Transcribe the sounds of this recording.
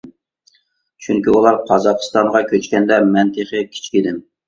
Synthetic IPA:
t͡ʃʰyŋkʲiulˠɑɾqʰɑzɑqʰɨ̥st̪ɑɴʁɑkʲʰøt͡ʃkʲɛnd̪ɛmɛnt̪ʰeχɨkʲʰi̥t͡ʃʰkʲid̪ɪm

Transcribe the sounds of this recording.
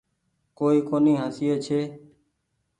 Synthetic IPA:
koːiːkoːnĩːɦaːsijeːt͡ʃʰeː

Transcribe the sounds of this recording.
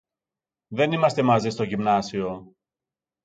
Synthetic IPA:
ðe̞nimɐst̪e̞mɐzest̪o̞ʝimnɐsio̞

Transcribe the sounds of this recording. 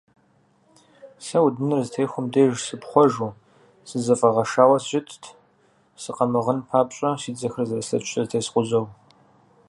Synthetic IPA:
sɐwdɨnɨrzɨtʰejxʷʊmdeːʒsɨpχʷɔʒu | sɨzɐfʼɐʁɐʃaːwɐsʒɪtʰ | sɨqɐmɨʁənpʰaːpɕʼɐsiːd͡zɐxrzɐrɐsɐt͡ʃʷʰʼɐzɨtʰeːsqʷʊzɐw

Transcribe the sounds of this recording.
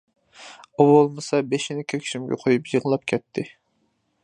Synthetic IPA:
owolˠmɨsɑbeʃinɪkʲʰøɾkʲʰi̥ʃimɡʲɛ̰qʰojupjəʁəlˠɑp̚kʲʰɛt̪ʰːɪ

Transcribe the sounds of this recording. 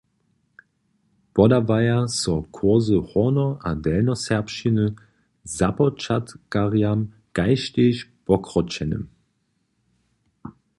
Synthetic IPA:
b̥ɔdavajasɔkʰoɐzəhɔnɔʔadɛlnɔsɛɐpʃinə | zapɔt͡ʃatɡ̥aʁjam | ɡ̥aɪʃteʃb̥ɔkʁɔt͡ʃɛnə̰m

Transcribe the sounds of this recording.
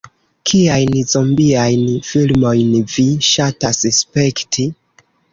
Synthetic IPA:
kʰiajnzombiajnfilmo̞jnviʃatasespe̞ktʰi

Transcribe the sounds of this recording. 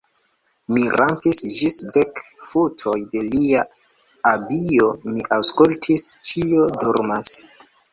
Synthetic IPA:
miɾampisd͡ʒisdekfutʰo̞jde̞lia | abio̞miʔawskultʰist͡ʃio̞doɾmas

